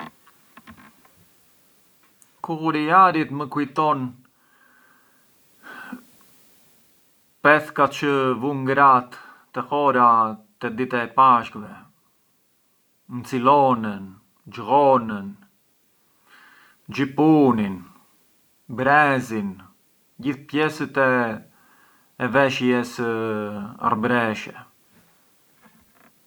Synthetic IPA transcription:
kuuɾiaɾit̪məkujt̪ɔn | pɛθkat͡ʃəvuŋɡɾat̪ː | ɛhɔɾat̪ɛd̪it̪ɛpaʃkvɛ | nt͡silɔnən | d͡ʒɣɔnən | d͡ʒipunin | bɾɛzin | ɟiθpjɛsət̪ɛ | vɛʃjɛsə | a̰ɾbɾɛʃɛ

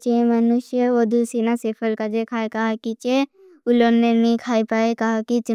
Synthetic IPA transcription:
t͡ʃẽmɐnʊʃjəod̪ʱusiːnaseːpʰəlkad͡ʒekʰaːekɐɦakit͡ʃe | ʊlonnenɐĩkʰaːipaːekɐɦakit͡ʃ

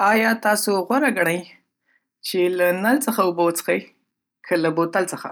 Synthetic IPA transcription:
ɑjɑt̪ɑsoɣwaɾaɡaɽaj | t͡ʃelanalt͡səxaʊbawt͡sxaj | kʰəlabot̪alt͡səxa̰

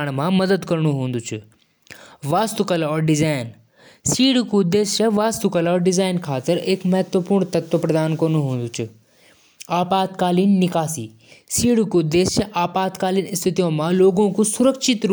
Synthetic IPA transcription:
ɽ̃mãmɐd̪əd̪kɐɾɽ̃uɦũːnd̪ut͡ʃʰʊ | ʋaːst̪ukɐlɔːɾɖɪzaːɪn | siːɽukud̪eːst͡ʃɐʋaːst̪ukɐlɔːɾɖɪzaːɪnkʰaːt̪əɾeːkmɐɦɛt̪ʋəpuːɾɳt̪ɐt̪ʋəpɾɐd̪aːnkoːɾnũɦũːnd̪ut͡ʃʰʊ | aːpaːt̪̚kaːliːnnɪkaːsiː | siːɽukud̪eːst͡ʃɐʔaːpaːt̪kaːlinɪst̪ʰɪt̪ijõmãloːɡõkusʊɾəkʃɪt̪ɾ

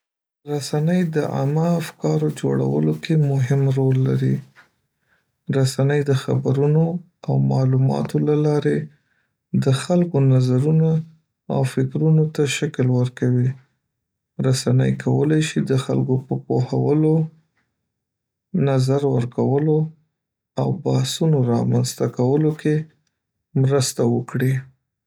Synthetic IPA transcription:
ɾasanəjd̪əʔa̰maːfkɑɾod͡ʒo̰ɽa̰wə̰lokʰemʊɦɪmɾolːa̰ɾi | ɾasanəjd̪əxa̰baɾuno | awmɑlumɑ̰t̪olalɑɾe | d̪əxalkonazaɾuna | a̰wfɪkɾunot̪aʃaklwəɾkawi | ɾasanə̰jkʰawə̰lajʃid̪əxa̰lkopəpoha̰wəlo | nazaɾwəɾkawəlo | awbahsunoɾɑmanzt̪akawəloke | mɾəst̪awəkɽi

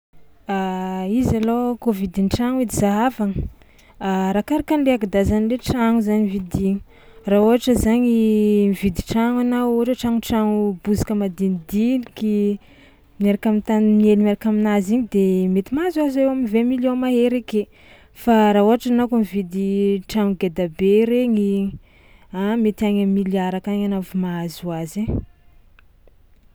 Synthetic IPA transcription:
aizalokovid̪inʈ͡ʂaŋid̪izaɦavaŋə | aɾakaɾakanleakid̪azanleʈ͡ʂaŋuzaɲivid̪iɲi̥ | rauɦaʈ͡ʂəzaɲimivid̪iʈ͡ʂaŋanawoʈ͡ʂəʈ͡ʂaŋuʈ͡ʂaŋubuzi̥kəmad̪inid̪iniki | maɾakamint̪animielimaɾakaminaziɲid̪emet̪imazuazewaminvemiljõnmaɦeɾeke | faɾauɦaʈ͡ʂanakumivid̪iʈ͡ʂaŋuɡed̪abeɾeɲi | amet̪iaɲamːiliaɾakaɲanavumazuaze

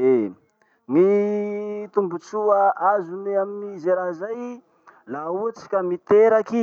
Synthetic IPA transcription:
e | ni | t̪umbut͡suaʔazuneaminizeɾazaj | laut͡si̥kʲəmit̪eɾaki

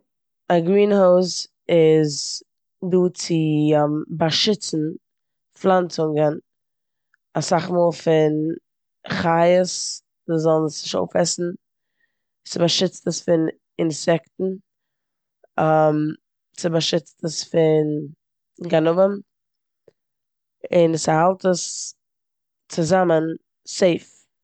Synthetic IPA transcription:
aɡɾiːnhoʊs | ɪz | duːt͡sɪmbaʃɪt͡sn̩ | flˠant͡sʊŋɡən | asaχmuːlˠfɪn | χajəs | zɔlˠnsnɪʃo̰ʊfɛsn̩ | sɪbaʃɪt͡stəsfɪn | ɪnsɛktn̩ | am | sɪbaʃɪt͡stəsfɪn | ɡanʊvəm | ɪnsahalˠtəs | t͡sɪzamən | seɪf

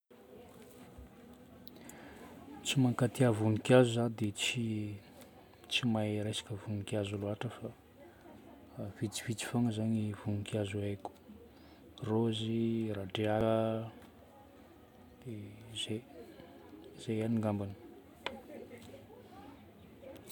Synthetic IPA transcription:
t͡simaŋkat̪iavunikjazuzad̪et͡si | t͡simajɾesḁkəvunikʲazuluaʈ͡ʂəfa | v̥it͡si̥v̥it͡si̥faŋəzaɲivunikjazueku̥ | roziraɖ͡ʐea | d̪̥eze | z̥ejaniŋɡambanə̥

